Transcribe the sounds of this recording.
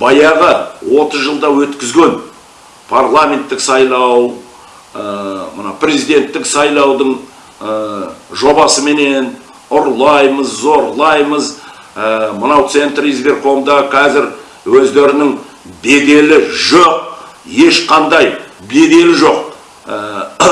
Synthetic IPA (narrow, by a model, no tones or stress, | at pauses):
bɑjɑʁəwo̞t̪əzʒəlˠd̪ɑwɵt̪kʲɪzɡʲe̞n | pʰarlˠamʲe̞nt̪ːɪksɑjlˠɑw | əmənɑ̰pʰrʲe̞zijd̪e̞nt̪ːɪksɑjlˠɑwd̪əɴ | ʒo̞bɑsəme̞ne̞n | ʊɾlˠɑjməzːo̞ɾlˠɑjməz | əmənɑwt̪se̞nt̪rizbe̞ɾqʰo̞md̪ɑqʰɑzɪɾ | wɵzd̪e̞ɾɪnɪŋ | be̞d̪e̞lɪʒoq̚ | je̞ʃqʰɑnd̪ɑjbe̞d̪e̞lɪʒo̞q